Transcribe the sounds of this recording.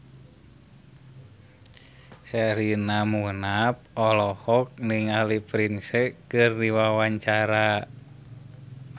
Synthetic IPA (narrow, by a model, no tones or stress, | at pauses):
sɛɾinamunap̚ɔlɔhɔk̚niŋalipɾinsɛkɨrdiwawaɲt͡ʃaɾa